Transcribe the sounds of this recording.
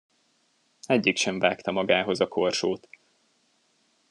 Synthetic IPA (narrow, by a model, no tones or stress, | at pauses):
ɛɟːikʃɛɱvaːkt̪ɒmɒɡaːɦo̞zɒko̞rʃoːt̪